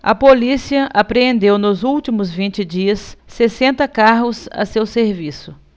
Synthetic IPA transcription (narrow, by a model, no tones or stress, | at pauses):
ɐpolisiɐʔapɾeẽnd̪ewnʊzuwt͡ʃimʊzvĩnt͡ʃɪd͡ʒiɐsːesẽnt̪ɐkaɦʊzɐ̰sewseɾvisʊ